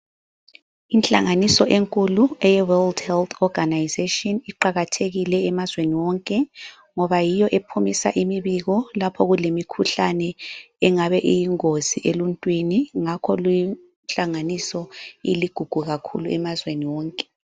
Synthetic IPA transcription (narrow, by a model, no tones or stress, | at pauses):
inɬʼa̰ŋanisɔʔeŋkʼuluɛjɛwɛldhɛlt̪ʰɔɡ̥ʱanajzetʼiɔniǃaɣatʰeɣilɛːmazweniwɔŋkʼɛ | ŋɔβajijɔʔepʰumisa̰ʔimiβiɣɔlapʰɔɣulemikʰuɬanɛ | ɛŋaβɛʔijiŋoz̥iʔeluntʼwiniŋakʰɔluji | nɬʼaŋanisɔḭliɡ̥ʱuɡ̥ʱuɣakʰṵluɛmazweniwɔːŋkʼɛ